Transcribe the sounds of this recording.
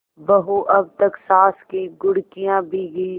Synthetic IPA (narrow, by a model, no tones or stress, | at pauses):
bɐɦuʔɐb̚t̪əksaːskiɡʊɽkijãːbʱiɡɐi